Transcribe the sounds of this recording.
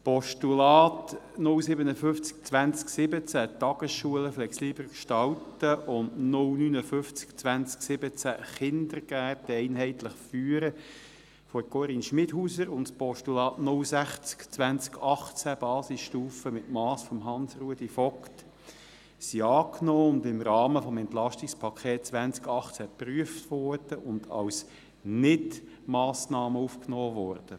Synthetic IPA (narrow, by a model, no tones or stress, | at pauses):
spɔʃtulɑːt̪ | nʊlsɪbənəfʏft͡sk̚t͡sʋænt͡sksɪbət͡sæt̪ːɑɡ̥əsʃuələflɛksiːbərkʃtɑltəʔʊndnʊlnynəfʏft͡skt͡sʋænt͡sksɪbət͡sæχɪnd̪əɾɡ̥æːtɛɪnɦɛɪt̪ləχfyːəɾə | fɔkoɾinʃmɪdhuːsəɾʊntspɔʃtulɑːtnʊlsæχt͡skt͡sʋænt͡skʰɑχt͡sæb̥ɑːsɪsʃtuːfəmɪtmɑːsfɔmɦɑnsruədifɔkt | siɑːknɔːʊnd̪ɪmɾɑːməfɔmɛnt̪lɑʃtɪkspʰɑkʰχeːt̚t͡sʋænt͡skɑχt͡sæpryəftʋɔrd̥əʔʊnd̥̪ɑ̰ws | nɪt | mɑːsnɑːməufknɔːʋɔrd̥ə